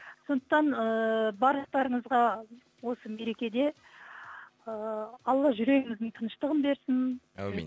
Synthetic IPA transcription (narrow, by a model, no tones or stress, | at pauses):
so̞nd̪əqt̪ɑnəbɑɾlˠəqt̪ɑɾəɴəzʁɑ | wo̞səme̞ɾe̞kʲe̞d̪e̞ | əɑlˠːɑʒʏɾe̞ɡʲɪŋɪzd̪ɪŋt̪ʰənəʃt̪əʁənbe̞ɾsɪn